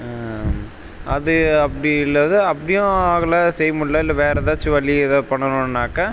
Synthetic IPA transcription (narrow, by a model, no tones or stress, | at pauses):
ɐðɯɐpːɐɽiɪlːɐðɯɐpːɐɽɪjõaːɣɐlasɛjːmʊɭːɐːɪlːɐʋeːɾɐðaːt͡ʃːɪʋɐɭːiɪðɐpɐɳːɐnʊ̃nːaːkːɐ